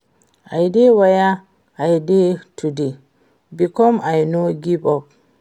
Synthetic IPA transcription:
ʔajdɛwaja | ʔajdɛtudi | bikɔmajnoɡibɔ

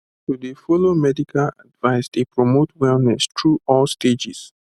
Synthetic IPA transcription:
tudefɔlomɛdikʰala̰dvaɪstepɹɔmotwɛlnɛstʰɹuɔlsted͡ʒis

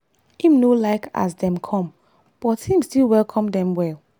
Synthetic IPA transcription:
ĩmnolaɪka̰sdɛ̃mkʰɔ̃m | b̥ɔtːʰĩmstilwɛlˠkʰɔ̃mdɛ̃mwɛlˠ

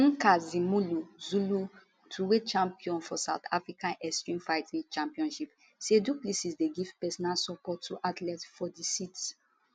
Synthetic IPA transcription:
ãŋkazimuluzulu | tʰuwet͡ʃãmpiɔ̃nfɔsawt̪a̰fɹikãnʔɛstɹĩmfajtĩt͡ʃãmpiɔ̃nʃip | seduplisisdeɡivpɛsɔnalsɔpɔtːuʔatlɛtfɔdisit

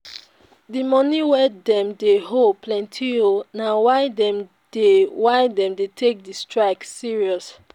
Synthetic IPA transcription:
dimɔniwɛdɛ̃mdeɦopʰlɛ̃ntʰionawaɪdɛm | dewaɪdɛ̃mdetʰek̚distɹaɪksiɹiɔs

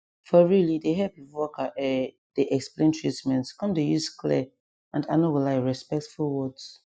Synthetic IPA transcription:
fɔɹilideɦɛpiwɔkʰaʔɛ | d̥eʔɛksplẽntʰɹitmɛ̃ntkɔ̃mdejuskʰlɛ̰ | ãnda̰nowilaɪɹɛspɛk̚tfulwɔds

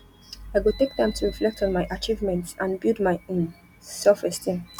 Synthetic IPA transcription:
aɪɡutek̚tãj̃mstʰuɹiflɛk̚tʰɔ̃nmaɪʔat͡ʃivmɛ̃ntsãnbilˠdmaɪĩn | sɛlfɹɛstĩm

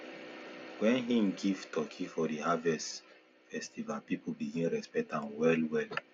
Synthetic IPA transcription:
wɛ̃nĩmɡivtʰɔkʰĩfɔdihavɛs | fɛstivalpipubiɡĩnɹɛspɛk̚tãnwɛlwɛl

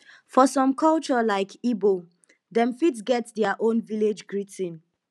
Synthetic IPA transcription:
fɔsɔ̃mkʰɔlt͡ʃɔlaɪkibo | dɛ̃mfitsɡɛtdɛaʔõnviled͡ʒɡɹitĩn

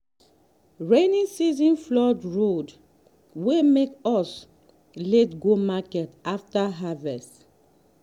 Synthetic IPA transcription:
ɹenĩsizɔ̃nflɔdɹod | wemekɔs | letɡomakɛtaftaɦavɛst

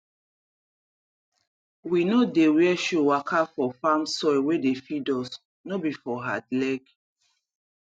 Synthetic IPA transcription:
winodewiɛʃuwakʰafɔfamsɔwedefidɔs | nobifɔɦadlɛɡ

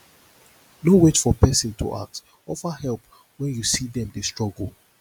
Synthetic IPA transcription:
nowet͡ʃfɔpɛsɪ̃ntʰṵʔa̰k̚t | ɔfəhɛlˠp | wɛ̃njusiðɛ̃mdestɹ̥ɔɡl̩ˠ

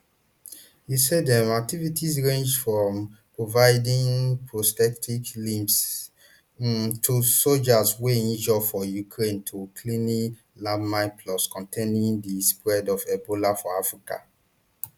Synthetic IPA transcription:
jisɛdɛmak̚tivitisɹẽnd͡ʒfɹɔ̃mpɹovaɪdĩnpɹostɛktʰiklĩmps | tʰusod͡ʒasweĩnd͡ʒɔfɔjukʰɹẽntʰukʰlĩni | labmãɪplɔskɔ̃ntʰẽnĩŋdispɹɛdɔvɛbolafɔafɹika̰

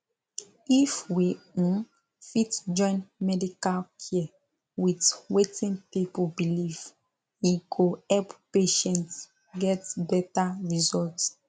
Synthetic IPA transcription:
ifwĩ | fitd͡ʒɔ̃ɪ̃nmɛdikalkʰi | witwetĩnpipubiliv | iɡoɛppeʃɛ̃nt | ɡɛtbɛtaɹizɔlt

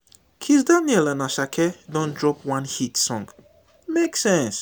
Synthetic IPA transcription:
kʰis̬danɛlãnaʃakʰɛdɔ̃ndɹɔpwãnhitsɔ̃ŋɡ | meksɛ̃ns

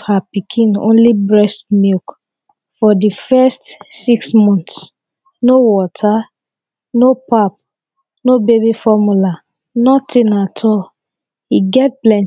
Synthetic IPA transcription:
hapikʰĩnõ̰nlibɹɛstmilk | fɔdifɛstsiksmɔ̃nts | nowɔtʰa | nopap̚ | nobebifɔmula | nɔtʰĩnatʰɔ | hiɡɛt̚plɛ̃n

